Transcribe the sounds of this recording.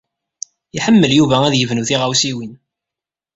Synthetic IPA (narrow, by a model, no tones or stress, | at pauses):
iħəmːəljuvææðjəvnuθiʁawsiwin